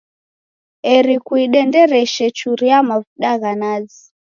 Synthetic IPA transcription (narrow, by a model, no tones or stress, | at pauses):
ɛɾikuiɗɛndɛɾɛʃɛt͡ʃuɾiamavuɗaɣanazi